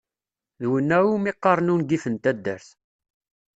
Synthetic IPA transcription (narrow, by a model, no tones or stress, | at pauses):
ðwənːæwumiqːɑɾˤnunɡifənt̪æd̪ːæ̰ɾθ